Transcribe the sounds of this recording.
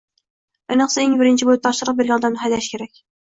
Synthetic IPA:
enəχsɨeŋbɪɾɪnt͡ʃʰibot̪ʰɑʃəɾəq̚beɾɡʲɑnd̪ɑnʊɦɛjlɛʃkʲʰeɾɛkʲ

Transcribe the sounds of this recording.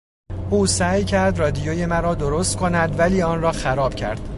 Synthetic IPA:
ʔuːsæːjcʰæɾd̪rɒːd̪ijoːje̞mæɾɒːd̪oɾost̪̚kʰo̞næd̪væliːɒːnrɒːxæɾɒːb̥cʰæ̰ɾd̪̥

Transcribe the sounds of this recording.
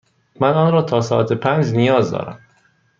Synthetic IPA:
mænɒːnɾɒːt̪ʰɒːsɒːʔæt̪ʰepʰænd͡ʒnijɒːzd̪ɒ̰ːɾæ̰m

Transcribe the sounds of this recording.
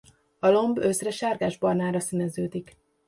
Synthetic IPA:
ɒlo̞mbøsrɛʃaːrɡaːʒbɒrnaːɾɒsinɛzøːd̪ik

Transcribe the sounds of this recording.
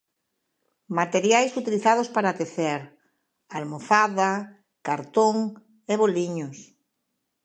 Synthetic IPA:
mat̪eɾjajsut̪iliθað̞ospaɾat̪eθɛɾ | almofaða | kaɾt̪oŋ | eβoliɲʊs

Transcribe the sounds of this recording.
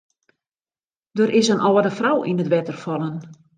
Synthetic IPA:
døɾʔɪsənʔɔːədəfrawʔinətʋɛtərfɔlˠən

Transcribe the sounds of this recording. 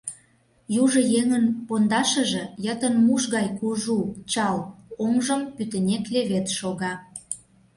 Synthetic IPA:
juʒɤ̆jeŋənpond̪ɑʃə̆ʒĕjət̪ənmuʃɣɑjkuʒut͡ɕɑloŋʒə̆mpyt̪ə̆nʲekleβet̪ʃoɣɑ

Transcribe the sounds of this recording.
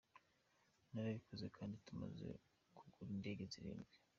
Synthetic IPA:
naɾaβikoze̞kʰaːndituma̰ze̞̰ | kʰuɡuɾinde̞ːɡe̞ziɾḭːnbɡe

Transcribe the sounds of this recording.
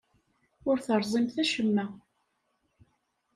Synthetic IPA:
ʊɾθəɾˤzˤimθæʃəmːæ

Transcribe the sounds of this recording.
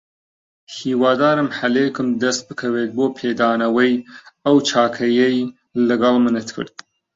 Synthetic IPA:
hiwɑːd̪ɑːɾɐmħalekɨmd̪ɐst̪̚bɨkʰɐwed̪̚bopʰed̪ɑːnɐwəjawt͡ʃʰɑːkʰɐjɐj | ləɡalmənət̪kʰə̰ɾd̪̚

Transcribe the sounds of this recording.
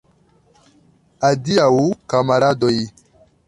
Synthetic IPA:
adiaukamaɾadɔi

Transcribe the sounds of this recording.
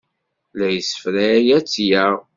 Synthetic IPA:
læjəsə̥fɾæːjæt͡sːjæʁ

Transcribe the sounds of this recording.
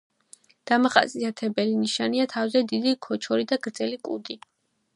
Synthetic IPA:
d̪̥amaχa̰sʼiat̪ʰɛbɛliniʃaniat̪ʰavzɛd̪id̪ikʰɔt͡ʃʰɔɾid̪aɡɾd̪z̥ɛlikʼṵd̪i

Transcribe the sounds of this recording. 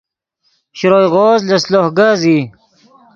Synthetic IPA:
ɕɾoːjʁoːzlɐslohɡazi

